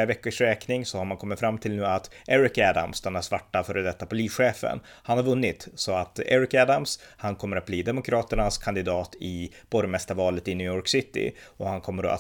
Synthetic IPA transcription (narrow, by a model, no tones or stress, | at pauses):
avɛkːəʂɾɛːknɪŋsɔhaɾmankʰɔmːɪt̪fɾamːt̪ʰɪlnʉ̟ːat̪ʔɛɾɪkæd̪a̰msd̪anːasvaʈːafœːɾəd̪ɛt̪ːapʰʊliːsɧeːfə̰n | hanhaɾvɵnːɪt̪sɔat̪ɛ̰ɾɪkæd̪amshankʰɔmːəɾat̪̚bliːd̪ɛmʊkʰɾɑːt̪əɳaskʰand̪ɪd̪ɑːt̪ɪb̥ɔɾmɛst̪aɾvɑːlət̪ɪnyːjɔɾksɪt̪ːɪ̰ɔhankʰɔmːəɾɔ̰a̰